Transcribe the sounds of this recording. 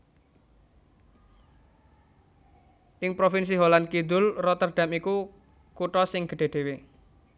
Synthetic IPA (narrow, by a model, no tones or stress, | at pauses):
ʔɪŋpɾofɪns̬iɦolankid̪ʊlrɔt̪ərɖ̥a̤miku | kuʈɔsɪŋɡ̥ə̤ɖ̥e̤ɖ̥e̤we